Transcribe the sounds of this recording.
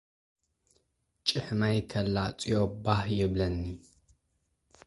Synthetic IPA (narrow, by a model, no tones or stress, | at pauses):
t͡ʃʼɨħmajkʰɐlːat͡sʼijobaħjɪβlɐnːi